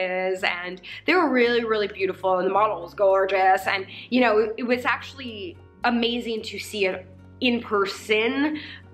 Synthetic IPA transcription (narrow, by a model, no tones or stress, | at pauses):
ɪzɨ̃nðeɪwə˞ɹɪlˠiɹɪlˠibjʉɾəfl̩ˠə̃nðəmɑɾl̩ˠzɡɔɹd͡ʒɨsɨ̃njɨɾ̃oʊɪɨt̚wʌzæk̚t͡ʃul̩ˠi | əmeɪzɪ̃ŋtʰɨsiɪɾ | ɨ̃npʰɜ˞sɨ̃n